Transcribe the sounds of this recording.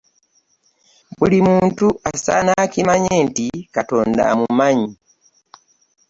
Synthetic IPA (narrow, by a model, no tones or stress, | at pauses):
bulimuːntuʔasa̰nakimaɲeːntikato̞ːnda̰mumaɲi